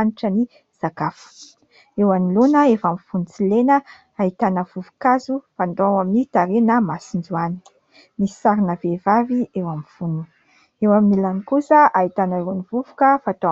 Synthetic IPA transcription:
aniʈ͡ʂəni | z̥akafu̥ | ewanilonəefamifunit͡silenə | aɦit̪anəvuvu̥kazufand̪owaminit̪aɾenəmasind͡ʒuani̥ | mi̥saɾinəvevaviewamifunu | ewaminilanikusəʔait̪anəewanivuvukəfat̪a

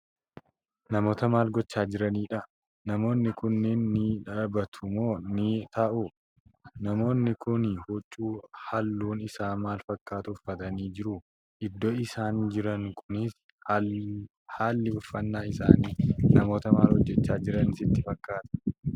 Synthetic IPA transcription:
nɐmo̞ːt̪ɐmaːlɡɔt͡ʃːaːd͡ʒɪɾɐniːᶑɐ | nɐmo̞ːnːɪkʊnːɛnːɪᶑɐbɐt̪ʰʊmo̞ːnɪt̪ɐʔu | nɐmo̞ːnːɪkʊnhʊt͡ʃʼːuːhɐlːuːnɪsaːmaːlfɐkʼːaːt̪ʊfːɐt̪ɐniːd͡ʒɪɾʊ | ʔɪd̪ːɔɪsaːnd͡ʒɪɾɐŋkʰʊnɪs | haːlːɪʊfːɐnːaːɪsa̰ːniːnɐmo̞ːt̪ɐmaːlhɔd͡ʒːɛt͡ʃːaːd͡ʒɪɾɐnɪsɪt̪ːɪfɐkːaːt̪ɐ̥

